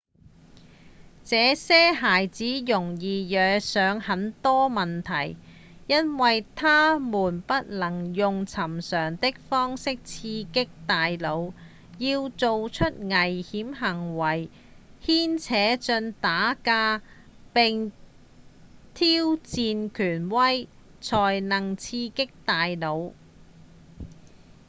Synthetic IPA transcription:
t͡sɛː˨˧sɛː˥ɦaː˨˩jt͡siː˨˥jʊ˨˩ŋjiː˨jœː˨˧sœː˨˧ŋhɐ˨˧˥nt̪ɔː˥mɐ˨nt̪ʰɐ˨˩j | jɐ˥nwɐ˨jt̪ʰaː˥muː˨˩npɐ˥t̚lɐ˨˩ŋjʊ˨ŋt͡sʰɐ˨˩msœː˨˩ŋt̪ɪ˥k̚fɔː˥ŋsɪ˥k̚t͡sʰiː˧kɪ˥k̚t̪aː˨jlo˨˧w | jiː˧wt͡so˨wt͡ʃʰɵ˥t̚ŋɐ˨˩jhiː˨˥mɦɐ˨˩ŋwɐ˨˩j | hiː˥nt͡sʰɛː˨˥t͡ʃɵ˧nt̪aː˨˥kaː˧ | pɪ˨ŋ | t̪ʰiː˥wt͡siː˨˧nkʰyː˨˩nwɐ˥j | t͡sʰɔː˨˩jnɐ˨˩ŋt͡sʰiː˧kɪ˥k̚t̪aː˨jlo˨˧w

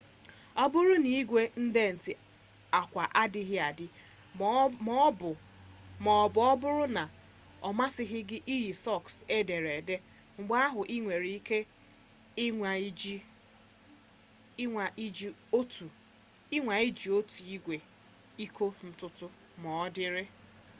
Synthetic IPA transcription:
ɔ˦bʊ˦ɾʊ˦ni˨i˦ɡʷe˦n̩˦de˦n̩˨tɪ˨ | a˨kʷa˨ʔa˦dɪ˦ɦɪ˦a˨dɪ˦ | m˦˨ | bɔ˦bʊ˦ɾʊ˦na˨ | ɔ˨ma˦sɪ˦ɦɪ˦ɡɪ˦ʔi˦ji˨sɔ˦˨kse˦de˨ɾe˨de˦ | ŋ͡m̩˨ɡ͡ba˦a˦ɦʊ˨ʔi˦ŋʷe˨ɾi˦i˦ke˦˨˦ | d͡ʒo˦tu˨ | ɪ˦ŋʷa˨i˦d͡ʒi˨o˦tu˨i˦ɡʷe˨ | i˦kʰo˦n̩˨tʊ˦tʊ˦ | mɔ˨ɔ˦dɪ˦ɾɪ˦

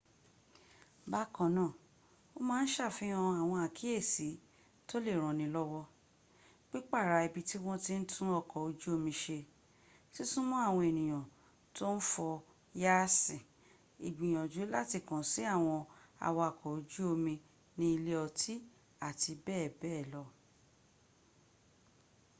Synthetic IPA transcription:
ba˦kɔ̃˨nãː˦˨ | o˦mãː˦n̩˦ʃa˦˨fĩ˨˦ɔ̃˧a˨w̃ɔ̃˧a˨kʰi˦e˦˨si˨˦ | to˦le˦˨ɾ̃ɔ̃˨nĩ˧lɔ˦wɔ˦ | k͡pi˦k͡pa˦˨ɾa˧˨i˨bi˧ti˦w̃ɔ̃˦ti˦n̩˦tʰũ˦ɔ˧kɔ˨o˧d͡ʒu˦o˧mĩ˧ʃe˧ | si˦sũ˦mɔ̃˦a˦˨w̃ɔ̃˧e˨nĩ˨j̃ã˨ | to˦n̩˦fɔ˧ | ja˦sĩ˨ | i˨ɡ͡bĩ˨j̃ɔ̃˨d͡ʒu˨˦la˦ti˧˨kɔ̃˨si˨˦a˦˨w̃ɔ̃˧a̰˧wɔ˧a˨kʰɔ˨o˧d͡ʒu˦o˧mĩ˧ | nĩ˦i˧le˦ɔ˧tʰi˦ | a˦˨ti˧bɛː˦˨bɛː˦˨lɔ˧

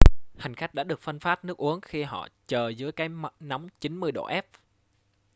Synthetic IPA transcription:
ha˨˩ŋ̟xa˦˥jk̚ɗa̰ː˧˥ɗɨ˨˩ək̚fə˧nfaː˦˥t̚nɨ˦˥ək̚ʔu˨˦əŋxi˧ɦɔ̰˧˨t͡ɕəː˨˩zɨ˨˦əjkaː˨˦jna˨˦wŋ͡mt͡ɕi˨˦nmɨ˧əjɗo̰˧˨ʔɛ˦˥p̚

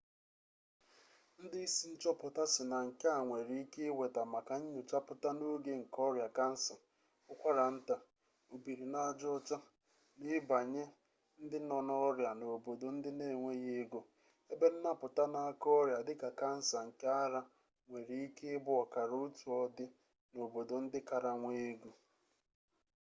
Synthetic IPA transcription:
n̩˦dɪ˦i˦si˦n̩˦t͡ʃɔ˦pʊ˨ta˦sɪ˨na˨ŋ̩˨ka˦a˨ŋʷe˨ɾi˦i˦ke˦we˨ta˨ma˨ka˨ɲ̩˦ɲʊ˨t͡ʃa˦pʊ˨ta˦no˦ɡe˦ŋ̩˨kɔ˦ɾja˨ka˦n̩˦sa˨ | ʊ˦kʷa˦ɾa˨n̩˦ta˦ | o˨bi˨ɾi˨na˦˨d͡ʒɔ˦ɔ˦t͡ʃa˦ | nɪ˦ba˨ɲe˦ | n̩˦dɪ˦nɔ˨nɔ˦ɾja˨no˨bo˨do˨n̩˦dɪ˦ne˦˨ŋʷe˦ɣe˦ɡo˨ | e˦be˦n̩˦na˦pʊ˨ta˦na˦a˦kɔ˦ɾja˨dɪ˦ka˨ka˦n̩˦sa˨ŋ̩˨ka˦a˦ɾa˦ | ŋʷe˨ɾi˨i˦ke˦bʊ˦ɔ˨ka˨ɾu˦tu˨ɔ˦dɪ˦ | no˨bo˨do˨n̩˦dɪ˦ka˨ɾa˨ŋʷe˦ɡu˨

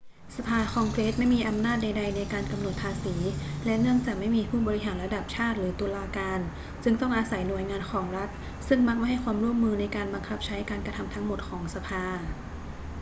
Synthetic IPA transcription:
sa˧pʰaː˧kʰɔː˧ŋkɾeː˦˥t̪̚ma˥˩jmiː˧ʔa˧mnaː˥˩t̪̚da˧jda˧jna˧jkaː˧nka˧mno˨˩t̪̚pʰaː˧siː˩˦lɛ˦˥ʔnɯ˥˩əŋt͡ɕaː˨˩k̚ma˥˩jmiː˧pʰuː˥˩bɔː˧ɾi˦˥ɦaː˩˦nla˧da˨˩p̚t͡ɕʰaː˥˩t̪̚ɾɯː˩˦t̪u˧laː˧kaː˧n | sɯ˥˩ŋt̪ɔ˥˩ŋʔaː˧sa˩˦jnu˨˩əjŋaː˧nkʰɔː˩˦ŋɾa˦˥t̪̚ | sɯ˥˩ŋma˦˥k̚ma˥˩jɦa˥˩jkwaː˧mɾu˥˩əmːɯː˧na˧jkaː˧nba˧ŋkʰa˦˥p̚t͡ɕʰa˦˥jkaː˧nkɾa˧t̪ʰa˧mt̪ʰa˦˥ŋmo˨˩t̪̚kʰɔː˩˦ŋsa˧pʰaː˧

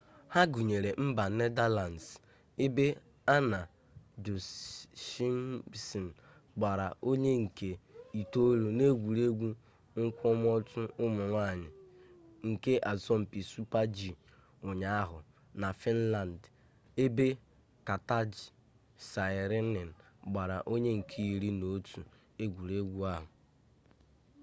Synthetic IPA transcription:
ha˦ɡu˨ɲe˨ɾe˨m̩˦ba˨n̩˦ne˦da˦la˨n˨s | e˦be˦ | a˦na˨ | d͡ʒo˨ʃi˦m˦si˨n̩˨ | ɡ͡ba˨ɾa˨ʔo˦ɲe˦ŋ̩˨ke˨i˨to˦lo˨ne˦ɡʷu˨ɾe˦ɡʷu˦ | ŋ̩˦kʷɔ˦m˦ɔ˦tʊ˦ʊ˦mʊ˨ŋʷa˦˨ɲɪ˨ | ŋ̩˨ke˦ʔa˨zɔ˦m̩˨pi˨su˦pa˦d͡ʒi˨ | ʊ˨ɲa˦a˦ɦʊ˨ | na˨fɪ˦n̩˦la˨n˨d | e˦be˦ | ka˨ta˦d͡ʒi˨ | sa˨ɪ˨ɾɪ˦nɪ˨n̩˨ | ɡ͡ba˨ɾa̰˨ʔo˦ɲe˦ŋ̩˨kʰi˦i˨ɾi˦no˨˦tʰu˨ | e˦ɡʷu˨ɾe˦ɡʷu˦a˦ɦʊ˨

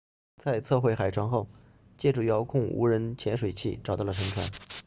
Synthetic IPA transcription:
t͡sa˥˧ɪt͡sʰɤ˥˧xwe˥˩ɪxa˨˩ɪʈ͡ʂʰwɑ˧˥ŋxo˥˩ʊ | t͡ɕjɛ˥˩ʈ͡ʂu˥˩jɑ˧˥ʊkʰʊ˥˩ŋṵ˧˥ɻə˧˥nt͡ɕʰjɛ˧˥nʂwe˨˩ɪt͡ɕʰi˥˩ʈ͡ʂɑ˨˩t̪ɑ˥˩lə˩ɤ˧˥ŋʈ͡ʂʰwa̰˧˥n

